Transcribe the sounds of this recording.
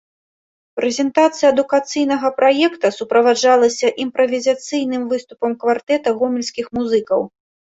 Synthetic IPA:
pɾɛzʲɛnt̪at̪sɨjɐːd̪ukat̪sɨjnɐɣɐpɾajɛkt̪ɐsupɾɐvad͡ʐalˠɐsʲɐʔimpɾɐvʲizʲat̪sɨjnɨmvɨst̪upɐmkvart̪ɛt̪ɐɣɔmʲilʲsʲkʲixmuzɨkɐw

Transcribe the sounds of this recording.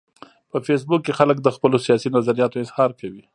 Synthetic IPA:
pəfes̬bʊkːexalək̚d̪əxpəlosijɑsinazaɾijɑt̪oɪzhɑɾkawi

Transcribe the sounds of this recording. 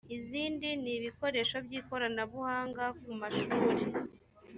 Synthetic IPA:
iziːndiniβiko̞ɾe̞ʃo̞bɟiːko̞ɾanaβuhaːŋɡakumaʃuːɾe

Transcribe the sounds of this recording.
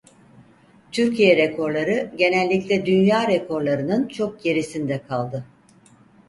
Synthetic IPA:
t̪ʰyɾcʰijɛɾekʰo̞ɾlˠaɾɯɟe̞nɛlʲːiclʲɛd̪ynjaːɾekʰo̞ɾlˠaɾɯnɯnt͡ʃʰo̞k̚ɟe̞ɾisind̪ɛkʰalˠd̪ɯ

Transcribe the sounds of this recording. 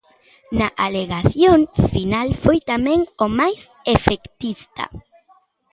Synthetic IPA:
naʔaleɣaθjoŋfinalfojt̪amẽŋomajs | efekt̪ist̪a̰

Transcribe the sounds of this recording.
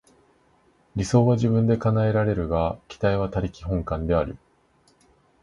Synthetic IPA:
ɾʲiso̞ːβaʑibɯ̟̃nd̪e̞kanae̞ɾaɾe̞ɾɯ̟ɡakʲi̥t̪aiβ̞at̪aɾʲikʲiɦõ̞ŋkãnd̪e̞aɾɯ̰

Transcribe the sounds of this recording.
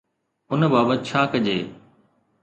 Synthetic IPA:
ʊnəbaːbət̪̚t͡ɕʰaːkɐʄeː

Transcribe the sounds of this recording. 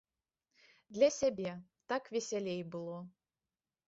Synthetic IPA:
d̪lʲasʲɛbʲet̪akvʲesʲɛlʲejbɨlˠɔ

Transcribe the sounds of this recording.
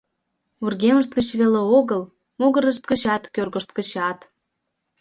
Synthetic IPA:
urɣeməʃt̪̚ɡə̆t͡ɕβeleoɣəl | moɣə̆ɾəʃ̬t̪̚ɡə̆ɕɑt̪kørɣəʃt̪̚kə̆ɕɑt̪

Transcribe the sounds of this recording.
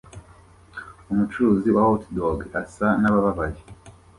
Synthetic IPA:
umut͡ʃuɾuːziwawotdoɡasanaβaβaβaje

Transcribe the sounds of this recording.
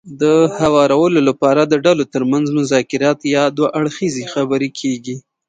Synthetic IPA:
d̪əhawɑɾawəlolapɑɾad̪əɖalot̪əɾmanzmʊzɑkɪɾɑt̪jɑd̪waʔaɽxizexabəɾekʰeɡi

